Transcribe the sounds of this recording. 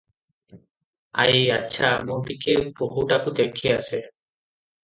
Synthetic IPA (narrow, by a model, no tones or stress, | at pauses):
a̰jjaːʃʰamuɖikeboɦuʈakud̪ekʰiase